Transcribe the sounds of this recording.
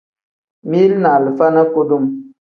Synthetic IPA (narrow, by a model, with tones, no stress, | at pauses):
mi˦lna˨lə˨fa˦na˦ko˦du˦m